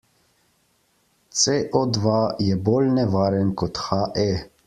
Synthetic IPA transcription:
t̪seʔɔd̪ʋajɛboːlnɛʋaːɾɛnkɔt̪xaʔɛ

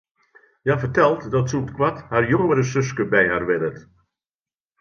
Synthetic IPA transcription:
jafərtɛlˠtdɔtsutkwathaːrjoŋəɾəsʏs̬kəbɛjharʋɪdət

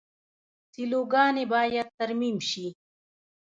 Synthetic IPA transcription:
siloɡɑːnebɑːjad̪̚t̪ɐɾmimʃi

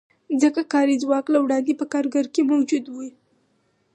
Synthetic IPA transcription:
zəkakɑɾizwɑklawɽɑnd̪epəkɑɾɡaɾkemawd͡ʒud̪wi

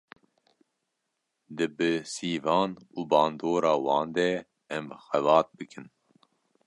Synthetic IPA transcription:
d̪ɨbɨsiːvɑːnuːbɑːnd̪oːɾɑːwɑːnd̪ɛ | ɛmxɛvɑːt̪̚bɨkʰɨn

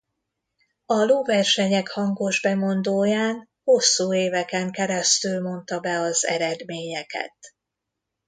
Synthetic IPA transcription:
ɒloːvɛrʃɛɲɛkhɒŋɡo̞ʒbɛmo̞nd̪oːjaːn | ho̞sːuːeːvɛkɛŋkɛɾɛst̪ylmo̞nt̪ɒbɛɒzɛ̰ɾɛd̪meːɲɛkɛ̰t̪

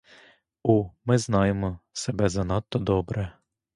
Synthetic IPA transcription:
umɛznaːjɛmɔsɛbɛzanat̪ːɔd̪ɔbɾɛ

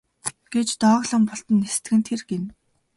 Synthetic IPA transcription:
ɡ̥et͡ɕt̪ɔːʁɮə̆mpɔɬt̪ə̆nːest̪ɘ̆ɡɘ̆nt̪ʰerɡen

